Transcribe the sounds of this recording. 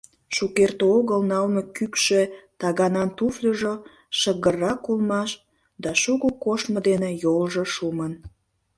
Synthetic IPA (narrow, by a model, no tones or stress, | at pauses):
ʃukert̪oɣəlnɑlnokykʃet̪ɑɣɑnɑnt̪uflʲəʒo | ʃəɣərːɑkulmɑʃ | d̪ɑʃuɣukoʃməd̪enejolʒəʃumən